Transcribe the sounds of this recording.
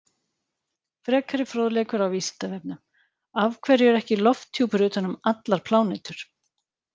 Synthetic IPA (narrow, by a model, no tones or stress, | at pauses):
fɾɛːkʰaɾɪfɾoːðlɛːkʏɾawviːsɪ̥nt̪avɛp̚nʏ | avkʰvɛɾjʏɛɾɛhcɪlɔft̪ʰːjuːpʏɾʏːt̪hanːʏmat̪laɾ̥pʰlaːwnejt̪ʏɾ̥